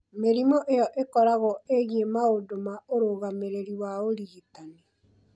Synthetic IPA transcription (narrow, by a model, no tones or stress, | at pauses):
meɾimɔʔejɔʔekɔɾaɣɔeɣiemaodomaoɾoːɣameɾeɾiwaoɾiitane